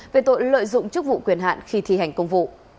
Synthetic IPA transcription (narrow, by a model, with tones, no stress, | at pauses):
ve˨˩t̪o̰˧˨jlə̰ː˧˨jzʊ̰˧˨ŋ͡mt͡ɕɨ˦˥k̚vṵ˧˨kwi˨˧˩ənɦa̰ː˧˨nxi˧t̪ʰi˧ha˨˩jŋ̟kə˧wŋ͡mvṵ˧˨